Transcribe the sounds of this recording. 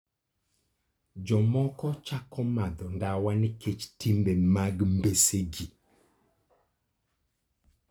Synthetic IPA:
d͡ʒɔmɔkɔt͡ʃakɔmad̪ɔndawaniket͡ʃtimbemaɡmbeseɡi

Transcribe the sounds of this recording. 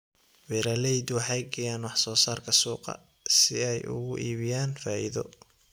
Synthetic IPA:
wɛɾɐlɛjd̪wɑħɑjɡɐjaːnwɑħsɔːsaːrkʰɐsuːqɑ̰ | sɪɛjʔʊ̰ɣʊʔiːβɪjaːnfaːʔiðɔ̰

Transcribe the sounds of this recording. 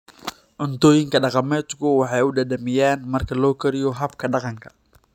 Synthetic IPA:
ʕʊnt̪ʰɔːjɪŋkʰɐɖɑqɑmɛːd̪kʰʊwɑħɑjʊɖɐd̪ɐmɪjaːnmɐrkʰɐlɔːkʰɐɾɪjɔɦɐb̚kʰɐɖɑqɑŋkʰɐ̥

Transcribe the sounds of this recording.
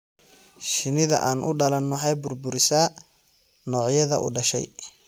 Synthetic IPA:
ʃɪnɪðɐ̰ʔaːnʔʊ̰ɖɐlɐnmʊħɛjbʊrbʊɾɪsɐ | nɔːʕjɐðɐ̰ʔʊ̰ɖɐʃɛ̰j

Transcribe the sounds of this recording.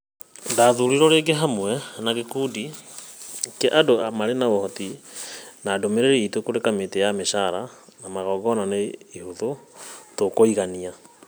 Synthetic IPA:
daːðuɾiɾɔɾeːɡeɦamwɛnaɣekuːdi | keʔadoamaɾenaohɔti | naːdomeɾeɾeitokoɾekametejameʃaɾanamaɣɔːɡɔnaneihuðotokoiɣania

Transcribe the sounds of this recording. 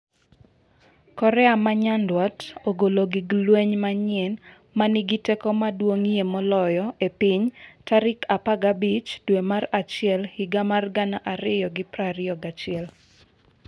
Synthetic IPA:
kɔɾɛamaɲandwatoɡoloɡiɡlweɲmaɲɪɛn | manɪɡitɛkɔmadwoŋjemɔlɔjɔepiɲtaɾɪkapaɡabit͡ʃdwemarat͡ʃɪɛlhɪɡamarɡanaʔaɾɪjɔɡɪpɾaɾɪɔɡat͡ʃɪɛl

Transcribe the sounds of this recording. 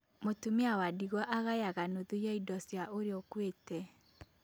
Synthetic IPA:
motumiawadiɣwɔʔaɣajaɣanoðujaidɔsjaʔoɾeokwetɛ

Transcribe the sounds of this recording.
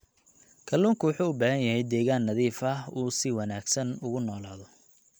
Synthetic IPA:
kʰɐlːuːŋkʰʊwʊħuːʊbaːɣɐnjɐɦɛjd̪ɛːɣaːnːɐðiːfɐuːsɪwɑnaːɡsɐnʊɣʊnɔːlaːðɔ

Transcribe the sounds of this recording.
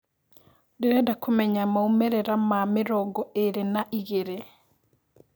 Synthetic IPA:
deɾɛdakomɛɲamaumɛɾɛɾamamɪɾɔɡɔeɾenaʔiɣeɾe

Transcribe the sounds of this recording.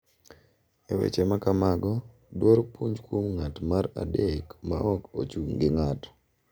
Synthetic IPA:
ewḛt͡ʃemakamaɡɔ | dwoɾpuɲd͡ʒkumŋatmaɾa̰dekma̰ʔɔko̰t͡ʃuŋɡɪŋat

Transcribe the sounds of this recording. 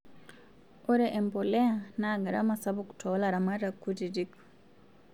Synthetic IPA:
ɔɾeʔempoleanaɡaɾa̰masaβuku̥tʰolaɾamaɾakːutidik

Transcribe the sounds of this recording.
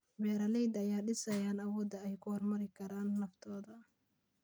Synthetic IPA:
bɛːɾɐlɛjd̪ɐjaːɖɪsɐjaːnɐwɔːd̪ɐɛjkʰʊhɔrmɐɾɪkʰɐɾaːnːɐft̪ʰɔːðɐ

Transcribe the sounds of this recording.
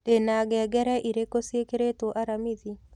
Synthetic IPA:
denaɡɛɡɛɾɛʔiɾekosjekeɾetoʔaɾamiði

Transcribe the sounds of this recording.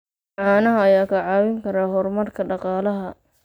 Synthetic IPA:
ʕɑːnɐɦɐɐjaːkʰɐʕɑːwɪŋkʰɐɾaːɦɔrmɐrkʰɐɖɑqɑːlɐɦɐ

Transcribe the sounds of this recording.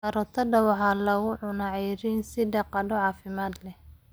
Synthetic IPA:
ɐɾɔt̪ʰɐdɐwɑħɑːlɐɣʊʕʊnaʕɛɾinsɪɖɑqɑdɔʕɑːfɪmaːd̪lɛh

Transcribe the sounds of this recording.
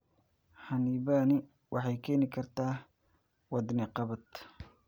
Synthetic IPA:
ħɑniːβaːnɪ | wʔɑħɑjkʰɛːnɪkʰɐrt̪ʰaː | wɑd̪nɛqɑβɐd̪

